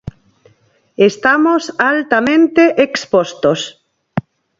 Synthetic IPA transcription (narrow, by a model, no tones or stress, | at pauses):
est̪amosalt̪amẽnt̪eʔekspost̪os